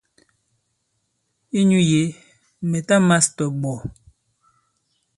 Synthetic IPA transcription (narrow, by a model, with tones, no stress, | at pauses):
i˦ɲu˦je˨˦ | me˨ta˦ma˦stɔ˨ɡ͡bɔ˨